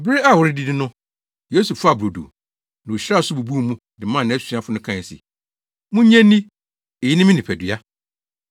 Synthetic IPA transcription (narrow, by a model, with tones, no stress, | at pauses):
bɾɪ˦a˦˨wʊ˨ɾɪ˦di˦dɪ˦nʊ̃˦ | je˦su˨fʊ˦a˨bɾo˨dṵ˨ | nã˨ʊ˨ɕa˦˨sʊ˦bu˨bu˦˨˦mũ˦ | dɪ˨mã˦˨ñ˨æ˦ssĩ˦a˦fʊ˦nʊ̃˦kʰã˦˨sḭ˨ | mũ˦ɲɛ̃˦nːɪ̃˦ | e˨jɪ˦nɪ̃˦mɪ̃˦nɪ̃˨pʰæ˨dɥa˦